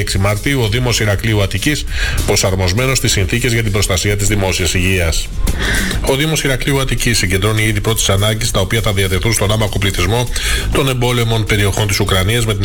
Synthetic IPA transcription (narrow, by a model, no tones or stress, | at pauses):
eksimɐɾt̪iuoðimo̞siɾɐkliuɐt̪icispɾo̞sɐɾmo̞zme̞no̞st̪isːinθice̞zʝɐt̪̬ibɾo̞st̪ɐsiɐt̪izðimo̞siɐsiʝiɐs | o̞ðimo̞siɾɐkliuɐt̪icisːiɲɟend̪ɾo̞niiðipɾo̞t̪i̥sɐnɐɲɟist̪ɐo̞piɐθɐðiɐt̪e̞θunst̪o̞nɐmɐko̞pliθizmo̞t̪o̞ne̞mbo̞lemo̞npe̞ɾio̞xo̞nt̪isukɾɐniɐzme̞t̪in